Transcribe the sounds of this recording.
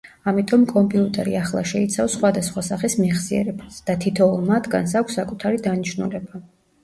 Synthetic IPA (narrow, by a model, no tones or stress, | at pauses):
amit̪ʼɔmkʼɔmpʼiut̪ʼɛɾḭaχlˠa̰ʃɛit̪sʰafsχwad̪asχwasaχismiʁsiɛ̰ɾɛbasd̪̥at̪ʰit̪ʰɔulˠmat̪ʰɡans̬akʷʰsːakʼut̪ʰaɾid̪aniʃnulɛba